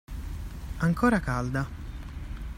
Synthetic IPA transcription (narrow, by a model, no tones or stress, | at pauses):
aŋkʰoːɾakald̪a